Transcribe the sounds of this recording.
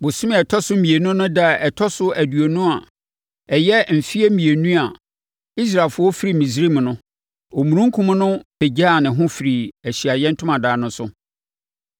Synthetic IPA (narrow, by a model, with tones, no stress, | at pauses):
bʊ˨sũ˦m˦˨ɛ˨tʰɔ˦sʊ˦mĩ˨e˨nũ˦nʊ̃˦da˦˨ɛ˨tʰɔ˦sʊ˦æ˨du˨o˨nũ˦a˨ | ɛ˨jɛ˦m̩˨fi˦e˦mĩ˨e˨nũ˦a˨ | i˦s̬ɾaː˨fʊ˦wɔ˦fi˦ɾi˨mĩ˨s̬ɾi˦m˨nʊ̃˦ | o˨mũ˨ɾũ˦ŋ˦kʰũ˦m˦nʊ̃˦pʰe˨d͡ʑa˦˨nɪ̃˨ɦʊ̃˦fi˨ɾi˨æ˨ɕi˨a˨jɛ̃˦n̩˦tʰʊ̃˦mã˨daː˨nʊ̃˦sʊ˦